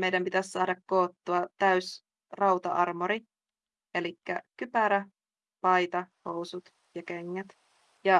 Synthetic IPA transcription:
mejdæmpit̪æssɑːdɑkkoːt̪ːuɑt̪æys | rɑwt̪ɑ̰ɑ̰rmoɾi | elikːæ̰kypæɾæ | pɑit̪ɑhowsut̪ | jɑkeŋːæt̪ | jɑ

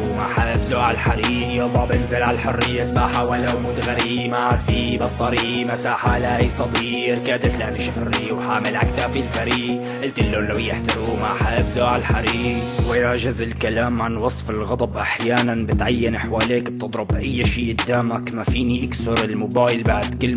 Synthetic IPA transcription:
maħabzoːʕalħaɾiːʔjabˤɑːbʔɪnzɪlʕallħʊrːɪjːasbaːħawalːawmuːd̪ɣaɾiːmad̪fibɑt̪ˤːɑɾiːmasaːħalajsˤɑd̪iːɾkaːd̪ɪt̪lat̪iʃafɾːiwħaːmɪlʕakt̪aːfilfaɾiːɡ | ʔɪlt̪ɪlːolːawjɪħt̪ɪɾuːmaʕħaʔbzoːʕalħaɾiːɡwɪɾˤɑʒɪzɪlkalaːmʕanwɑsˤfɪlɣɑd̪ˤɑbʔaħjaːnanbɪt̪ʕajːanaħwaːleːkb̚t̪ɨd̪ˤɾʊbʔajːʃiːʔd̪ːaːmakmafiːniʔaksʊɾɪlmʊbaːjlbaʕd̪kɪlː

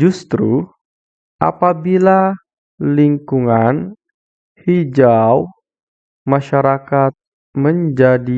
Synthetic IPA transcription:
d͡ʒust̪ɾu | ʔa̰pabila | liŋkuŋan | hid͡ʒaw | maʃaɾakat̪̚ | məɲd͡ʒadi

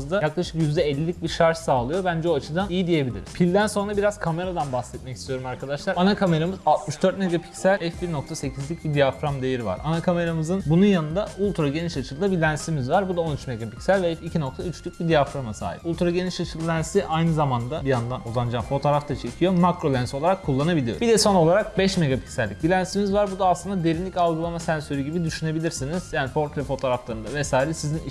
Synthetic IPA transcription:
zd̪ajaklˠaʃɯ̥kjyzd̪ɛɛlʲːilʲic̚ʲbiɾʃaɾʃsaːlˠɯjo̞bænd͡ʒɛoat͡ʃʰɯd̪anijid̪ije̞bilʲḭɾi̥pʰilʲd̪ænso̞nɾabiɾaz̥kʰame̞ɾad̪anbahsɛt̪̚mɛcist̪ʰijo̞ɾumaɾkʰad̪aʃlˠaɾanakʰame̞ɾamɯzalˠt̪̚mɯʃd̪øɾt̪me̞ɡapʰi̥csælʲɛfbiɾno̞k̚t̪ʰase̞cʰizlʲyc̚bid̪ijafɾamd̪ejeɾiva̰ɾanakʰame̞ɾamɯzɯnbununjanɯnd̪aulʲˠt̪ɾaɟe̞niʃat͡ʃʰɯlˠd̪abilʲænsimizvaɾbud̪ao̞nyt͡ʃme̞ɡapicsælʲvɛɛpicʰino̞k̚t̪ʰayt͡ʃlʲyc̚bid̪ijafɾamasa̰ːjḭpulˠt̪ɾaɟeniʃat͡ʃʰɯlˠlʲænsiʔajnɯzamand̪abijand̪anuzand͡ʒafo̞t̪ʰoːɾaft̪ʰat͡ʃʰe̞cʰijo̞makɾo̞lʲænsiolˠaɾakkʰːulˠːanabilʲijo̰bid̪ɛso̞no̞lˠaɾak̚bɛʃme̞ɡapʰi̥cʲsælʲːic̚bilʲænsimizvaɾbud̪aːslˠɯnd̪ad̪e̞ɾinlʲicalˠɡɯlˠamasænsø̞ɾyɟibid̪yʃyne̞bilʲiɾsiniz̥jaːnifo̞ɾk̪ɾɛfo̞t̪ʰo̞ːɾaflˠaɾɯnd̪avɛsaːiɾɛsizin

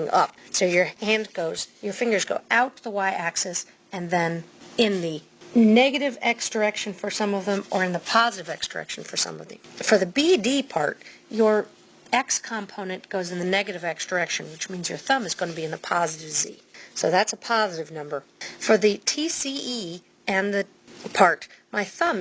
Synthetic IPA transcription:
ŋʔʌ̰p̚soʊjə˞hæ̃nɡoʊzjə˞fɪ̃ŋɡə˞zɡoʊʔaʊtʰðəwaɪʔæksɛs | ɨ̃nðɨ̃nɪ̃nði | nɛɡɨɾɨvɛksd̥ə˞ɛkʃɨ̃nfə˞sʌ̃mʌvðə̃mə˞ɨ̃nðəpʰɑzɨɾɨvɛ̰ksd̥ə̰˞ɛ̰kʃn̩fə˞sʌ̰̃mʌ̰vðɨ̰fə˞ðɨbidipʰɑ̰ɹt̚jə˞ | ɛkskʰɑ̃mpʰõʊ̃nɨ̃nɡ̥oʊzɨ̃n̩ðɨnɛɡɨɾɨvɛksd̥ə˞ɛkʃɨ̃nwɨt͡ʃmĩnzjə̰˞θʌ̃mɨzɡoʊ̃nɨbiɨ̃nðəpʰɑzɨɾɨvzḭsoʊðætsəpʰɑzɨɾɨvnʌ̃mbə˞fə˞ðɨtʰisii | ɨ̃nðɨ | pʰɑɹt̚maɪθʌ̃m

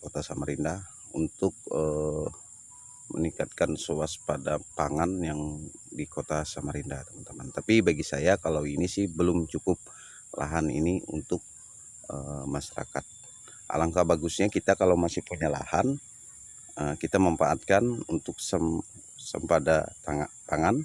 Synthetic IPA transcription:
kot̪asamaɾindah | unt̪ʊk̚ə | mə̰nikat̪̚kansoaspadapaŋanjaŋdikot̪asamaɾindaht̪əmənt̪əmant̪apibaɡisajakalawinisɪhbəlʊmt͡ʃukʊp̚ | la̰ɦanḭniṵnt̪ʊk̚ | əmaʃaɾa̰ka̰t̪̚ | ʔa̰laŋkabaɡusɲakit̪akalawmasɪhpuɲala̰han | əkit̪aməmpaʔat̪̚kanunt̪ʊk̚səm | sə̰mpadat̪aŋat̪aŋan

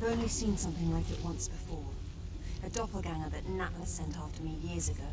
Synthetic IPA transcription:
ɪvə̃ʊ̃nlisĩːnsʌ̃mθɪ̃ŋlaɪkɨʔwʌ̃nsb̥ɪfɔɹ | ɨdɒpəl̩ˠɡãŋəðɨʔⁿnaʔləsɛ̃ntɑftəmijɪəzɨɡoʊ

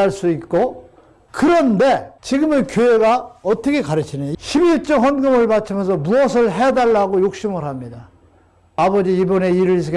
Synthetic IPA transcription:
aɭs͈uit̚k͈o | kɯɾʌnde̞t͡ɕiɡɯmɯnkjoeɡaʌt͈ʌkʰe̞kaɾɯt͡ɕʰinɯjoɕʰibiɭt͡ɕ͈ʌɸʌnɡɯmɯɭmat͡ɕʰimjʌnsʰʌmuʌsʰɯɭɦedaɭːaɡojok̚ɕ͈imɯɾɦamɲida | abʌd͡ʑiibʌne̞iɾɯs̬ʰ

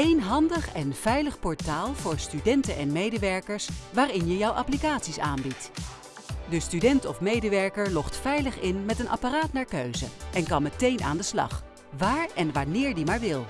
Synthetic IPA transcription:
ejnɦɑndəχɛnv̥ɛjləχpɔɹtaːlˠvʊːɹstydɛntənʔɛnmejdəʋɛɹkəɹsʋaːrɪnjəjɔwʔɑ̰plikaːtsisa̰ːnbit | dəstydɛntɔfmejdəʋɛɹkəɹlɔχtfɛjləχɪnmɛtənʔa̰paraːtnaːɹkøɥzə̰ɛnkɑmːətejnʔa̰ːndəslɑ̰χ | ʋaːɹɛnʋanɪːɹdimaːɹʋɪlˠ

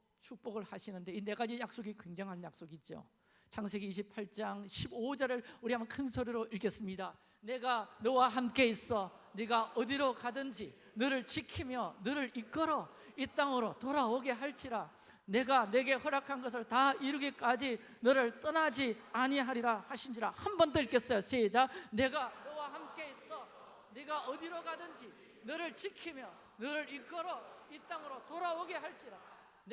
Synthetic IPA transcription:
t͡ɕʰuk̚p͈oɡɯɭhaɕʰinɯnde̞ine̞ɡaijak̚s͈oɡikweŋd͡ʑʌŋɦanɯnjak̚s͈oɡid͡ʑo̰ | t͡ɕʰaŋsʰeɡiːɕ̬ʰipʰaɭt͡ɕ͈aŋɕʰibod͡ʑʌɾɯɭuɾiɦambʌnkʰɯnsʰoɾiɾoʔiɭɡe̞s͈ɯmɲida | ne̞ɡanɯwaɦamk͈e̞is͈ʌ | niɡaʌdiɾokadɯnd͡ʑi | nɯɾɯɭt͡ɕikʰimjʌnɯɾɯɾik͈ɯɾʌ | it͈aŋɯɾotoɾaoɡe̞ɦaɭt͡ɕ͈iɾa | ne̞ɡane̞ɡe̞hʌɾjakʰanɡʌs̬ʰɯɭtaiɾɯɡik͈ad͡ʑi | nɯɾɯɭt͈ʌnad͡ʑiaɲiɦaɾiɾahaɕʰind͡ʑiɾahanbʌnd̪oik͈e̞s͈ʌjoɕʰed͡ʑane̞ɡanʌwahamk͈e̞is͈ʌ | neɡaʌd̪iɾoɡadɯnd͡ʑi | nɯɾɯɭt͡ɕikʰimjʌ | nɯɾɯɾik͈ʌɾʌit̪͈aŋɯɾotoɾaoɡe̞ɦaɭt͡ɕ͈iɾa | n

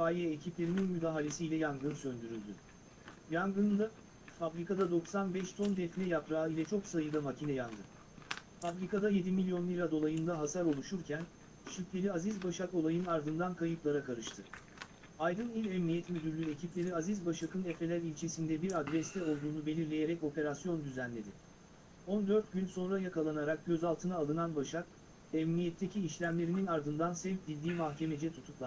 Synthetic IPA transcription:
aːjɛecʰiplʲe̞ɾininmyd̪aːɦalʲe̞siːlʲɛjaŋɡɯnsø̞nd̪yɾylʲd̪y̰ | jaŋɡɯnd̪a | fabɾikad̪ad̪o̞ksanbɛʃt̪ʰo̞nd̪ɛfnʲɛjapɾaːilʲɛt͡ʃʰo̞ksajɯd̪amacʰinɛjand̪ɯ | fabɾikad̪aje̞d̪imilʲjo̞nlʲˠiɾad̪o̞lˠajɯnd̪aɦasaɾo̞lˠuʃuɾcʰæn | ʃyclʲe̞ɾiazizbaʃako̞lˠajɯnaɾd̪ɯnd̪ankʰajɯplˠaɾakʰaɾɯʃt̪ʰɯ | ajd̪ɯnilʲɛmnijɛt̪mød̪yɾlʲye̞cʰiplʲe̞ɾiazizbaʃakʰɯnɛfɾe̞lʲæɾilʲt͡ʃʰe̞sind̪ɛbiɾad̪ɾɛst̪ʰɛo̞lˠd̪uːnube̞lʲiɾlʲe̞jeɾɛco̞pʰe̞ɾasjo̞nd̪yzænlʲe̞d̪ɪ | o̞nd̪ø̞ɾt̪̚ɟynso̞nɾajakʰalˠanaɾak̚ɟø̞zalˠt̪ʰɯnaːlˠɯnanbaʃak̚ | ɛmnijɛt̪ʰːe̞cʰiːʃlʲæmlʲe̞ɾininaɾd̪ɯnd̪ansɛvp̚d̪ilʲd̪iːmahcʰe̞me̞d͡ʒɛt̪ʰut̪ʰuklˠa

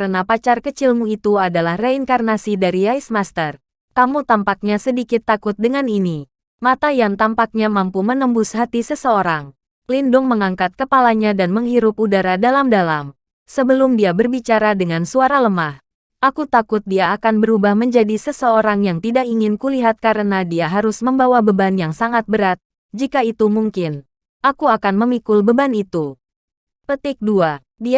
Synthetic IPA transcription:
kəɾənapat͡ʃarkət͡ʃɪlmuit̪uadalahreiŋkarnasidaɾiaismast̪ər | kamut̪ampak̚ɲasədikɪt̪ːakʊt̪̚dəŋanini | mat̪ajaŋt̪ampak̚ɲamampumənəmbʊsɦat̪isəsəoɾaŋ | lindʊŋməŋaŋkat̪̚kəpalaɲadanməŋɦiɾʊpudaɾadalamdalam | səbəlʊmdiabərbit͡ʃaɾadəŋansuaɾaləmah | ʔakut̪akʊt̪̚diaːkanbəɾubahməɲd͡ʒadisəsəoɾaŋjaŋt̪idakiŋɪnkuliɦat̪̚kaɾənadiaɦaɾʊsməmbawabəbanjaŋsaŋat̪̚bəɾat̪̚ | d͡ʒikait̪umuŋkɪn | ʔakuakanməmikʊlbəbanit̪u | pət̪ɪk̚dua | di

